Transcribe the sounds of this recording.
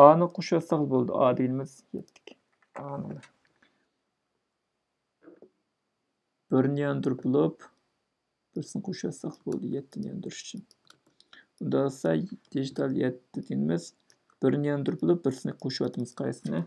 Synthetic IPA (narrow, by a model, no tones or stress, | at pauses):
ɑːnɨqʰoʃwɑsɑχlˠbolˠɨd̪ɨ̰ʔɑːd̪ɪɡʲinɪmɪz̥jɛt̪ʰːɪ̥kʲʰ | ɑːnɨ̰lˠɨ | b̥ɪɾnɨjɑnd̪uɾbulˠup | b̥ɪɾsɪnɨqʰoʃwɑ̰sɑχlˠbo̰lˠɨ̰d̪ɨjɛt̪ʰːɪnɨjɑ̰nd̪uɾuʃy̥t͡ʃʰyn | und̪ɑʁsɑd̪̥iʒit̪ʰɑlˠjɛt̪ːɪd̪ɪɡʲinɪmɪz̥ | b̥ɪɾnɨjɑnd̪uɾbulˠup̚bɪɾsɪnɪqʰoʃuwɑt̪ʰɨmɨz̥qʰɑjsɨnɨ